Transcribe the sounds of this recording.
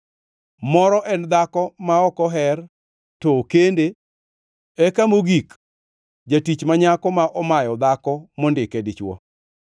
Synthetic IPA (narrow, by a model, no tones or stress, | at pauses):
mɔɾɔʔɛnd̪akɔmaɔkɔɦɛr | tɔkende | ɛkamoɡik | d͡ʒatit͡ʃmaɲakɔmaʔɔmajɔd̪akɔmɔndɪkɛdɪt͡ʃwɔ̰